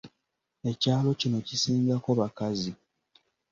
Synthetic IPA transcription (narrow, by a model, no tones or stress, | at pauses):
e̞caːlo̞cino̞cisiːŋɡako̞βakazi